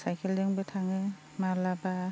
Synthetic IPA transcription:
sajkʰɛldɯŋbɯtʰaŋɯ | malaba

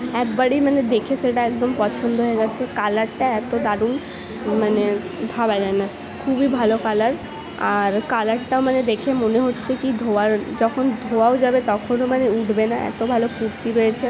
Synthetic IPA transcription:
ɛkbaɽimaned̪ekʰeʃeʈaɛkd̪ompɔt͡ɕʰond̪oɦoeɡɛtːɕʰekalaɾʈaɛt̪od̪aɽun | mane | bʱabad͡ʑaena | kʰubibʱalokalaɾ | aɾkalaɾʈaomaned̪ekʰemoneɦotːɕʰekid̪ʱoaɾd͡ʑɔkʰond̪ʱoaod͡ʑabet̪ɔkʰonomaneuɖbenaʔɛ̰t̪obʱalopuɾt̪iɾojet͡ɕʰe

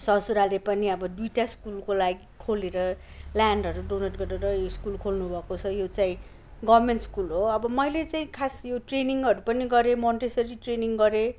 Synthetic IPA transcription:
sʌsuɾalepʌniʌbʌd̪ujʈaskulkolaɡikʰoleɾʌ | ljaɳɖʱʌɾuɖonʌʈɡʌɾʌɾʌjoskulkʰolnubʱʌkot͡sʰʌjot͡saĩ | ɡʌbmenʈskulɦoʌbʌmʌjlet͡saĩkʰasjoʈreniŋʌɾupʌniɡʌɾemonʈesʌɾiʈreniŋɡʌɾe

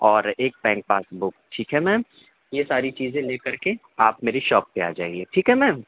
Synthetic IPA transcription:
ɔːɾeːk̚pɛ̃ːŋk̚paːsbʊk̚ʈʰiːkɦɛmɛ̃ːm | jesaːɾit͡ʃiːzẽleːkɐɾke | aːp̚meːɾeʃɔːpːea̰ːd͡ʒaːeɡeːʈʰiːkɦɛmɛ̃ːm

